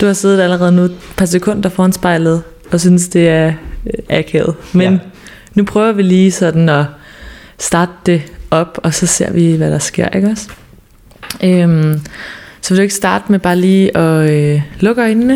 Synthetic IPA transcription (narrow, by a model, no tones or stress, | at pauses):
d̥uhɑ̈se̝ːð̩ˠæləʁɛːð̞ˠənupʰɑ̈sekʰɔ̽n̰d̥ɐfɒːhænsb̥ɑ̈ɪlð̞̩ˠ | ɒ̽s̬ynəsd̥e̝æɐʔækʰḛð̩ˠmenː | upʰʁœːʊɐʋiliːsɒ̽d̥n̩ɒ̽ | sd̥ɑ̈ːd̥̚d̥e̝ʔɒ̽b̥ɒ̽sɒ̽se̝ɐ̰ʋiʋæɾ̥ɑ̈sɡ̥e̝ɐ̰ʔeɡ̥ɒs | ʔøm | sɒʋedue̝ɡ̥sd̥ɑ̈ːd̥meb̥ɑ̈ːliːɒ̽lɔ̽ɡ̥ɒnnə